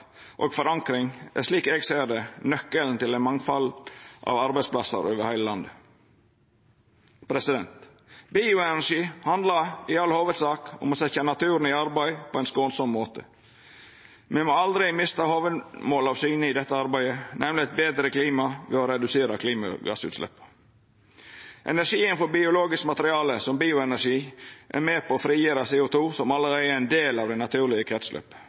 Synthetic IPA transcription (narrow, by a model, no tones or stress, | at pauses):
ʔo̰ːɡfɔɾɑŋkɾɪŋʔæ̰ʂɭiːkɛːɡsæɪɖ̪ɛnœkːəln̩t̪ɪlæɛɪnmɑŋfɑlʔɑ̰ʋɑɾbæɪsplɑsə̰ɾøːʋəɾhæɪləlɑnd̪ə | pʰɾɛsɪd̪ɛnt̪ | biʊɛnæʂiːhɑnd̪lɑɪɑlhoːʋəd̪sɑːkʊ̰mɔsɛçɑnɑt̪ʰʉːɾn̩ɪɑɾbæɪpʰɔɛɪnskoːnsɔmːoːt̪ʰə̰ | mɛmoɑld̪ɾɪmɪst̪ɑhoːʋəmoːlɑʋsyːnəɪd̪ɛt̪ːəɑɾbæɪənɛmlɪɛt̪̚beːd̪ɾəkliːmɑʋɛɔɾɛd̪ʉseːɾɑkʰliːmɑ̰ɡɑ̰sʉ̰ːt̪slɛ̰pːə̥ | ʔɛ̰næɾʂiːənfɔɾbɪʊloːɡɪskmɑt̪ɾɪɑːləsɔmbiːʊɛnæʂiːʔæ̰ɾmeːpʰɔːfɾiːjøːɾɑseːʊt̪ʰuːsɔmɑlːəɾæɪæɪnd̪eːlɑːʋd̪ɛɪnɑt̪ʰʉːɾɭɪəkʰɾɛt̪slœ̰p